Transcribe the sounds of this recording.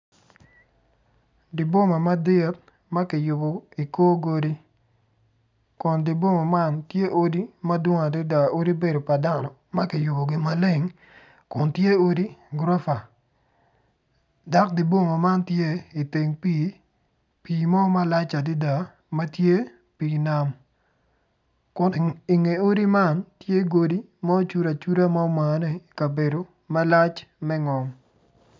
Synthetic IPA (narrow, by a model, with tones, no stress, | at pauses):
di˨bo˦ma˨ma˦dɪ˦t̚ | mɐ˦ki˨jʊ˨bo˨i˨koː˦ɡo˦di˦ | kɔ˨ndi˨bo˦ma˨ma˦ntje˦ʔo˦di˦mɐ˦dwo˦ŋa˨di˦da˨o˦ɾi˦be˦do˨pa˨da˦nɔ˨mɐ˦ki˨jʊ˨bo˨ɡɪ˦ma˦le˦ŋ | kʊ˨ntje˦o˦di˦ɡɾo˦fa˨ | da˦k̚di˦bwo˦ŋo˨ma˦ntje˦i˨te˨ŋpi˦ | pi˨mɔ˦ma˦la˦t͡ʃa˨di˦da˨ | ma˦tje˦ | pi˨na˦m | kʊ˨ni˨ŋe˨o˦di˦ma˦ntje˦ɡo˦di˦ | ma˦o˦t͡ʃu˦ɾa˨t͡ʃu˦ɾa˦ma˦o˦ma˨ne˦˨i˨ka˨be˨do˨ | ma˦la˦t͡ʃmɛ˦ŋɔ˨m